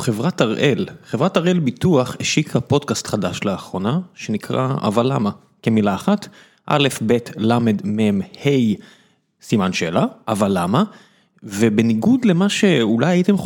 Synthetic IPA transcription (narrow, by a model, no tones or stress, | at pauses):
χevʁataʁʔelχevʁataʁe̞lbituaχeʃikhapo̞dkastχadaʃleaχʁo̞naʃe̞nikʁa̰a̰valama | kemilaːχat | ʔa̰le̞fbe̞tlame̞dmemhej | simanʃelaʔavalːama | vebe̞niɡudle̞maʃe̞ulajaitem